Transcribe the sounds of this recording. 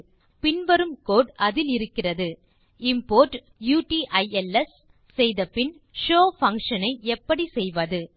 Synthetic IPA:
pɪnʋɐɾɯmkoːɽɐðɪlɪɾɯkːɪrɐðɯ | ɪmpoːɾʈ | juːʈiʔɐɪɛlɛs | sɛjðɐpːɪn | ʂoːfɐŋkʂɐnɐɪʔɛpːɐɽisɛjʋɐðɯ

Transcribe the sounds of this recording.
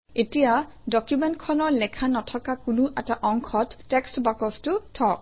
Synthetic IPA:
etijadɔkjumɛntkʰɔnɔɹlɛkʰanɔtʰɔkakʊnuʔɛtaʔɔŋkʰɔtːɛkstbakɔstʊtʰɔk̚

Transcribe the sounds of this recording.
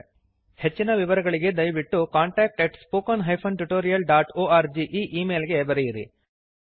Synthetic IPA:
he̞t͡ʃːinɐʋiʋɐɾɐɡɐɭiɡe̞d̪ɐjʋiʈːukaːɳʈaːk̚ʈeʈspoːkɐnɦɐjpʰɐnʈuʈoːɾijɐlɖaːʈoːaːɾd͡ʒiʔiːʔiːmeːlɡe̞bɐɾɛjiɾḭ

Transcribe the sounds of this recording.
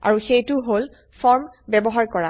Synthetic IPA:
a̰ɹuxejtʊɦol | fʰɔɹmbɛbɔɦaɹkɔɹa

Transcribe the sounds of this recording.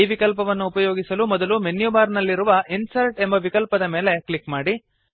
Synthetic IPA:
iːʋikɐlpɐʋɐnːuːpɐjoːɡisɐlumɔd̪ɐlumenjubaːɾnɐlːiɾuʋɐinsɐlʈe̞mbɐʋikɐlpɐd̪ɐmeːleklikmaːɽi

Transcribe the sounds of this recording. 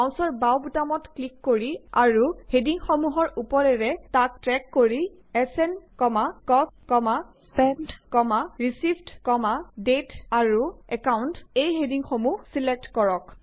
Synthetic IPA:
aw̃sɔɹbawbutamɔtklikːoɹia̰ɹuhediŋxomuɦɔɹupɔɹɛɹɛtak̚tɹɛkːoɹi | ɛsɛnkɔmakɔpkɔmaspɛndkɔmaɹisibʱdkɔmadetaɹuɛkawntejɦediŋxomuhsilek̚tkɔɹɔk

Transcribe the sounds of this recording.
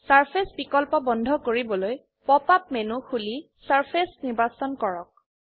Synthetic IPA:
saɹpʰesbikɔlpɔbɔndʱɔkoɹibɔloj | pɔpap̚menuxuli | saɹpʰesniɹbasɔnkɔɹɔk̚

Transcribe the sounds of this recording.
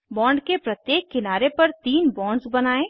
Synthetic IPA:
bɔ̃ːɳɖkepɾɐt̪jeːkːɪnaːɾepɐɾt̪iːnbɔ̃ːɳɖsbɐnaːẽː

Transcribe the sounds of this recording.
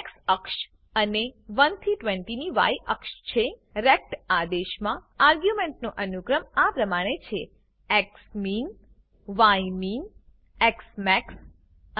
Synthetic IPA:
eksəkʃ | əneʋənt̪ʰiʈʋẽɳʈiniʋa̰jʔəkʃt͡ʃʰe | ɾek̚ʈad̪eʃmã | aɾɡjumeɳʈnoʔənukɾəmapɾəmaɽ̃et͡ʃʰe | eksmin | ʋajmin | eksmɛks

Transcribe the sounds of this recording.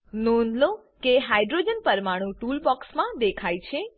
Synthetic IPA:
nõnlo | keɦajɖɾod͡ʒənpəɾmaɽ̃ũʈulbɔksmãd̪ekʰajt͡ʃʰe

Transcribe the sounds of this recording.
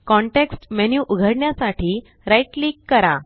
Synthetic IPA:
kɔɳʈeksʈmenjuʔuɡʱəɽɳjasaʈiː | ɾaiʈliːkːəɾa

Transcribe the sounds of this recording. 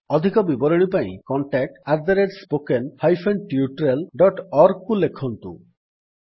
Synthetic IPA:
ɔd̪ʱikɔbibɔɾeɽ̃ipaj̃kɔɳʈɛk̚ʈaɾd̪aɾeɖspokenhajfʰeɳɖʈiuʈɾelɖɔʈɔɾɡkulekʰːont̪ṵ

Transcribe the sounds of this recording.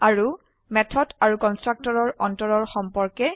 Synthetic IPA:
aɹu | mɛtʰɔdaɹukɔnstɹak̚tɔɹɔɹɔntɔɹɔɹxɔmpɔɹkɛ

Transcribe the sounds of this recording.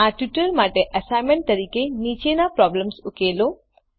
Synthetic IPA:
aʈjuʈəɾmaʈeʔəsajmeɳʈt̪əɾiːkenit͡ʃenapɾɔbləmsukelo

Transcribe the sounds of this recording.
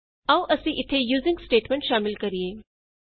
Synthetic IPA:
ɐuʔɐsĩʔɪt̪ʰːejuːzɪ̃ŋɡsʈeːʈmẽɳʈʃaːmɪlkɐɾieː

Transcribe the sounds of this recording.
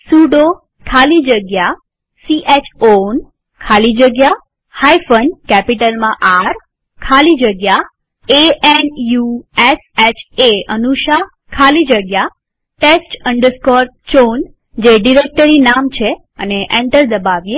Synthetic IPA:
suɖo | kʰalid͡ʒəɡja | siʔet͡ʃʰon | kʰalid͡ʒəɡja | hajfənkɛpiʈəlmãʔaɾ | kʰalid͡ʒəɡja | eʔenjueset͡ʃʰeənuʃa | kʰalid͡ʒəɡja | ʈesʈəɳɖəɾskɔɾ | t͡ʃon | d͡ʒeɖiɾek̚ʈəɾinamt͡ʃʰe | ə̰neʔẽɳʈəɾd̪əbaʋje

